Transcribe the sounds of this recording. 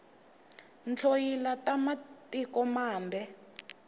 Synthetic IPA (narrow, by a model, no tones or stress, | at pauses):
nt͡ɬʰojilatamatikɔmaːmbɛ